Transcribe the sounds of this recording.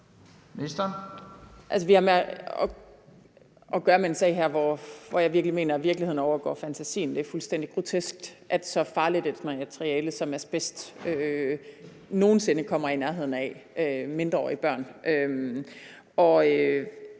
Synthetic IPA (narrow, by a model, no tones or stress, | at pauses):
nesd̥ɐn | ʔæls̬əʋihɑ̈meɒ | ɒ̽ɡ̥ɶːɐmeensɛ̰ɪɦæɐ̰ʋɒʋɒjɑ̈ʋiɐɡ̥lime̝̰ːnɐʋiɐɡ̥liheð̰ˠn̩ɒʊɐɡ̥ɒ̰ːfænt͡sʰæsḭːn̩d̥e̝æɐfulsd̥en̰d̥iɡ̥ʁo̝t͡sʰesɡ̥̚d̥ʔæd̥sɒ̽fɑ̈ːlid̥ed̥mææt͡sʰʁiɛːləsɒ̽mæɐsb̥esd̥ø | no̝ːn̩se̝nəkʰɒ̽m̰ɐinæɐɦe̝ð̰ˠn̩ɛ̰øme̝nd̥ʁɐɒ̰ːib̥ɶɐ̰nʔøm | ʔɒ̽ø